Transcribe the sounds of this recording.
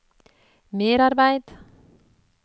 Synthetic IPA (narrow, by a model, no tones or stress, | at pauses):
meːɾarbajt̪